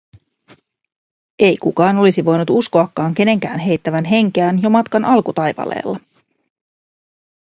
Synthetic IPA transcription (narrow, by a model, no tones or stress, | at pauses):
e̞jkukɑːno̞lisiʋo̞jnut̪usko̞ɑkːɑːŋk̟e̞ne̞ŋkæːnɦe̞jt̪ːæʋænɦe̞ŋk̟æːnjo̞mɑt̪kɑnʔɑlkut̪ɑjʋɑ̰lḛːlːɑ